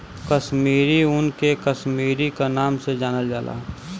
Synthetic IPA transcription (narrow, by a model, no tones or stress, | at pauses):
kəʃmiːɾiʊnkekəʃmiːɾikanaːmsed͡ʒaːnəld͡ʒaːlʔa̰ː